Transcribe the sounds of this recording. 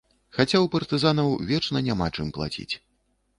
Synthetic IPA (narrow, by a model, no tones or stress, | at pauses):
xat͡sʲawpɐrt̪ɨzan̪ɐwvʲɛt͡ʂnɐnʲamat͡ʂɨmplˠa̰t͡sʲḭt͡sʲ